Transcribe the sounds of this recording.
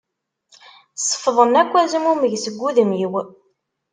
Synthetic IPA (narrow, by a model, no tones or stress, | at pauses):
sˤːə̥fðˤənækʷːæzəmuməʝsəɡʷːuðəmjiw